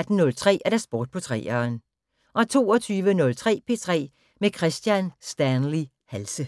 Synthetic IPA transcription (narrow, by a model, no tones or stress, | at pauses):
d̥n̩ːɔ̽lt͡sʰʁɛ̰ːæɐd̥æsb̥ɔ̰ːd̥̚pʰɒ̽t͡sʰʁɛ̰ːɐn | ʔɒ̽t͡sʰo̝ːɒt͡sʰyːʋənɔ̽lt͡sʰʁɛ̰ːpʰe̝̰ːt͡sʰʁɛ̰ː | mekʰʁɛsd̥jænsd̥ænli | hælsə